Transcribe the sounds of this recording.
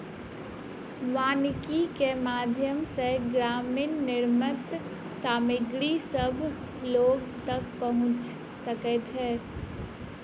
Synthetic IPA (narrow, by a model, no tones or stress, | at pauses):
ʋaːnkikemad̪ʱjəmseɡɾaːminːɪɾmət̪ | saːmɪɡɾisəbʱ | loːɡt̪əkpəɦʊ̃t͡ʃ | səkɛt͡ʃʰɛː